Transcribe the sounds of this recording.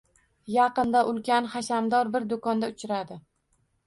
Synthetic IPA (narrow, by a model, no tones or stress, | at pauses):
jɑqɨnd̪aʔʊlˠkʲʰanχaʃamd̪ɒɾbɪɾd̪okɒnd̪aʊt͡ʃʰɪɾad̪ɪ